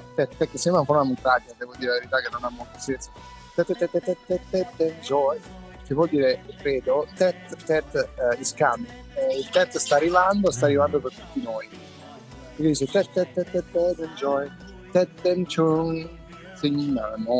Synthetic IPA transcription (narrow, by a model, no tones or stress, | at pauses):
t̪ɛt̪ɛkːesɛmafɔɾunamːit̪ɾad͡ʒad̪ɛvod̪iːɾelaveɾit̪akenːonamːolt̪asɛesi | t̪ɛt̪ːɛt̪ːɛt̪ːɛt̪ːɛt̪ːɛt̪ːɛt̪ːɛnd͡ʒɔe | k̪ivwɔld̪iːɾekɾɛːd̪ot̪ɛt̪ːɛt̪ːiskam | ilt̪ɛt̪ːst̪aːrːivand̪ost̪aːrːivand̪opeɾt̪u̥t̪ːinoj | ekːed̪iːt͡ʃet̪ɛt̪ːɛt̪ːɛt̪ːɛt̪ːɛt̪ɛnd͡ʒɔe | t̪ɛt̪ːɛnt͡ʃun | seɲiɲanɔ